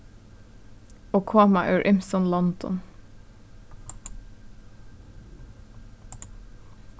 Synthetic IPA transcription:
oːkʰoːmæ̰ːʔœ̰ʉɹʔɪmsɔnlɔnd̪ɔ̰n

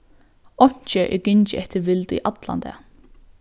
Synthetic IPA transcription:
ɔɲ̥t͡ʃəʔɪ̰ɡɪnt͡ʃəʔɛht̪əʋɪlt̪ḭʔad̪la̰nd̪ɛ̰

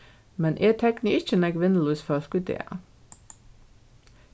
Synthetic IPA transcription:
mɛnʔeːt̪ʰɛkniɪt͡ʃənɛɡʋɪnəluːsfɔskʉd̪ḛːɑ̰

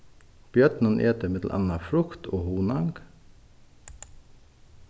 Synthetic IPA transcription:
b̥jœt̪nənʔeːt̪əmɛd̪l̩ʔɑ̰nɑfɾʊkt̪ʰoːhuːnɑŋɡ

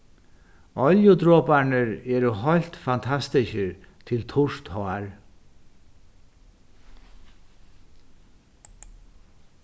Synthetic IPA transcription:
ɔljʊd̪ɾoːpaɳəɾɛːɾəɦɔlt̪fant̪ʰast̪ɪçəɾt̪ʰɪlt̪ʰʊʂt̪hɔaɹ

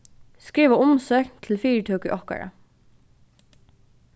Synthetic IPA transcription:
skɾiːʋaʊmsœknt̪ʰɪlfiːɹət̪ʰuːkʏʔɔhka̰ɹa̰

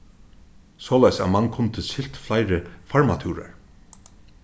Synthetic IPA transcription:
sɔːlajsæːmankʰʊnt̪ʰəsɪl̥t̪flaɪɾəfaɹmat̪ʰuːɾa̰ɹ

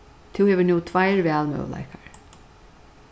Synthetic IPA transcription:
t̪ʰɪwhɛːvɪnuːt̪ʰvaɪɹvɛːlmœ̰wla̰jkaɹ

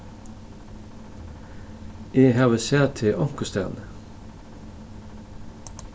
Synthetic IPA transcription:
eːhɑːʋəsæːʁt̪ʰɪʔɔŋkʊst̪æ̰ʁnə

